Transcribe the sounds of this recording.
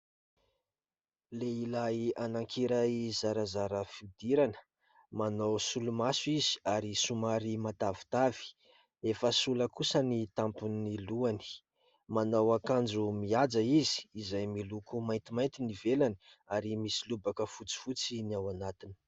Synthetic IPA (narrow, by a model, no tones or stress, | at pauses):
leilajanaŋkʰiɾaizaɾazaɾəfiud̪iɾanə̥ | manawsulumasuizi̥aɾisumaɾimat̪avi̥t̪avi̥ | efəsuləkusənit̪ampuniluani̥ | manawakand͡ʒumiad͡zaizi̥ːzajmilukumajnt̪imant̪inivelani | aɾimisilubakəfut͡si̥fut͡siniawanat̪ini̥